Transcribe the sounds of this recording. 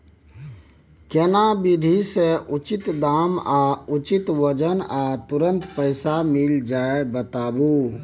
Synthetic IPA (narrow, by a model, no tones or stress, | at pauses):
kenabɪd̪ʱiseʊt͡ʃɪt̪d̪aːmaʊt͡ʃɪt̪ʋəd͡ʒənaːt̪ʊɾə̃nt̪pəɪsamɪld͡ʒaːebət̪aːbu